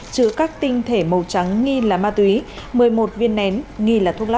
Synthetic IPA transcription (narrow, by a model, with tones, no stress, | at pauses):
t͡ɕɨ˧˨əkaː˦˥k̚t̪ï˧ŋ̟t̪ʰe˧˩mə˨˩wt͡ɕa˨˦ŋːi˧laː˨˩maː˧t̪wi˨˦ | mɨ˨˩əjmo˨˩t̚vi˧ənːɛ˨˦nŋi˧laː˨˩t̪ʰu˧ŋla˦˥